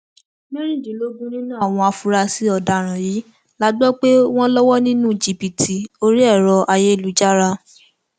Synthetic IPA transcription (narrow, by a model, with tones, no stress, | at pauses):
me˦ɾ̃ĩ˦˨dĩ˨˦lo˦ɡũ˦nĩ˦nũ˦˨w̃ɔ̃˧a˧fu˧ɾa˧si˦ɔ˧˨da˧˨ɾ̃ã˨jiː˨˦ | la˨˦ɡ͡bɔ˦k͡pe˦w̃ɔ̃˦lɔ˦wɔ˦nĩ˦nũ˦˨d͡ʒi˨pi˨tʰi˧o˦ɾi˦ɛ˦˨ɾɔ˧ʔa˧je˦i˦˨lu˨˦d͡ʒa˦ɾa˧